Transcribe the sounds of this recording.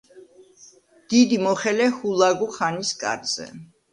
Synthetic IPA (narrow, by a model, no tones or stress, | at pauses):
d̪̥id̪imɔχɛlɛhulˠaɡuχaniskʼa̰ɾz̥ɛ̰